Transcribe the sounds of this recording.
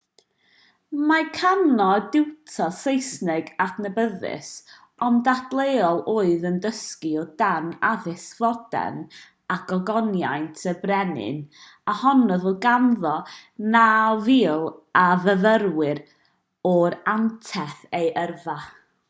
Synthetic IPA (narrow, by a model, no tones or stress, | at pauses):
makʰanɔdɪwtʰɔsejsnɪɡadnəbəðɪ̰s | ɔndadlˠejɔlˠoːɨðəndəskiɔdanaðɪskvɔd̥ɛ̰n | aɡ̥ɔɡɔnjajntʰəbrɛnɪ̰n | ahɔnɔðəɡanðɔnaviːlˠaðəðərwɪɾ | ɔɾantʰɛθejʔərva